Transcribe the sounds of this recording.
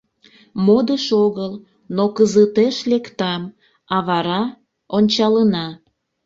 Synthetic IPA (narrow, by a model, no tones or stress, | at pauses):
mod̪əʃoɣəl | nokəzət̪eʃlekt̪ɑm | ɑβɑɾɑ | onʲt͡ɕɑlənɑ